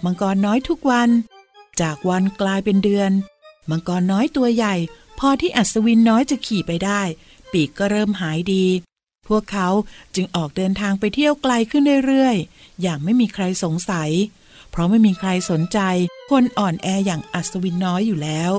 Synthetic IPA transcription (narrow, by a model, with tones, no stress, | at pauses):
ba˧ŋkɔː˧nːɔː˦˥jt̪ʰu˦˥k̚wa˧n | t͡ɕaː˨˩k̚wa˧nklaː˧jpe˧ndɯ˧ənba˧ŋkɔː˧nːɔː˦˥jt̪u˧ɐja˨˩j | pʰɔː˧t̪ʰiː˥˩ʔa˨t̪̚sa˧wi˦˧˥nːɔː˦˥jt͡ɕa˨˩kʰiː˨˩pa˧jdaː˥˩j | piː˨˩kkːɔː˥˩ɾɤː˥˩mɦaː˩˦jdiː˧ | pʰu˥˩əkʰːa˦˥wt͡ɕɯ˧ŋʔɔː˨˩k̚dɤː˧nt̪ʰaː˧ŋpa˧jt̪ʰi˥˩əwkla˧jkʰɯ˥˩ndu˥˩jɾɯ˥˩əjːaː˨˩ŋ̚ma˥˩jmiː˧kʰɾa˧jso˩˦ŋsa˩˦j | pʰɾɔ˦˥ma˥˩jmiː˧kʰɾa˧jso˩˦nt͡ɕa˧jkʰo˧nʔɔː˨˩nʔɛː˧jaː˨˩ŋʔa˨˩t̪̚sa˧wi˧˥nːɔː˦˥jːuː˨˩lɛː˦˥w